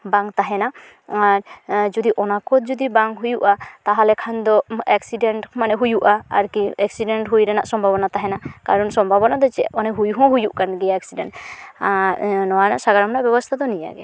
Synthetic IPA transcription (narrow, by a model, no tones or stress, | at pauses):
baŋt̪aɦɛna | aɾd͡ʒɔd̪iʔɔnakɔt̪̚d͡ʒɔd̪ibaŋɦujuʔat̪aɦalɛkʰand̪ɔɛksiɖɛɳʈmanɛɦujuʔaaɾkiɛksiɖɛɳʈɦujɾɛnaʔsɔmbʱabɔnat̪aɦɛnakaɾɔnsɔmbʱabɔnad̪ɔt͡ʃɛɔnɛɦujɦɔ̃ɦujuʔkanɡɛjaɛksiɖɛɳʈaɾnɔwana̰ʔsaɡaɾamnaʔbɛbɔst̪ʰad̪ɔnija̰ɡɛ